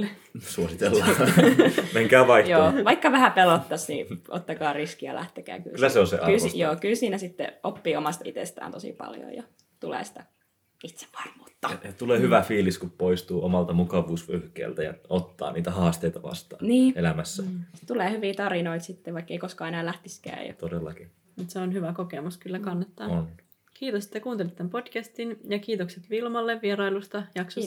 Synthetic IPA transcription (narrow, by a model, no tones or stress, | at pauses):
l | suosit̪elːɑ | meŋkæːʋɑihjoːʋɑikːɑʋæhæpelot̪ːɑsnḭʔo̰t̪ːɑkɑːriskijɑ̰lʔæ̰ht̪ekæ̰ːky̰lkylːæseonsḛʔɑkylsjoːkylsiːnæsit̪ːḛʔopːiːomɑst̪it̪ḛst̪æ̰ːnt̪osḭpɑ̰ljo̰jjɑ | t̪ulḛːsi̥t̪æ | it̪se̥ʋʋɑ̥rmuːt̪ːɑɑt̪uleːhyʋæfiːliskuppoist̪uːʔomɑlt̪ɑmukɑʋuːsʋøhkḛːlt̪æjɑ̰ot̪ːɑ̰ːniːt̪æhɑːst̪eit̪ɑʋɑ̰st̪ɑ̰ːniːelæmæsːæt̪uleːhyʋiːt̪ɑɾinoit̪sit̪ːeʋɑikːeikoskɑːenæːlæht̪iskæ̰ːjɑ̰t̪odelːɑki | mut̪seonhyʋækokemuskylːækɑnːɑt̪ːɑːon | kiːt̪oset̪ːekuːnt̪elit̪ːæmpo̞d̥kæst̪injɑkiːt̪okset̪ʋilmɑlːeʋʋieɾɑilust̪ɑjɑksos